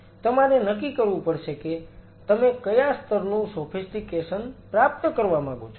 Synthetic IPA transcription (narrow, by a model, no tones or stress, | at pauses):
t̪əmaɾenəkikəɾʋũpəɾʃeke | t̪əmekəjast̪ʰəɾnũsofʰisʈikeʃənpɾap̚t̪əkəɾʋamãɡot͡ʃʰ